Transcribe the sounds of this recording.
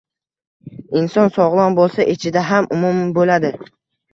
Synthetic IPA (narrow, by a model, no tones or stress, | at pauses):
ɪnsɒnsɒʁlˠɒnbolˠsaʔet͡ʃʰɪd̪aɦamʊmʊmbolad̪ɪ